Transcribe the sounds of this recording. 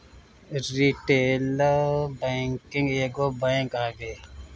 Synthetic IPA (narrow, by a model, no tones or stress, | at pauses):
ɾiʈeːlbaŋkɪŋɡeːɡoːbaiŋkaːɡeː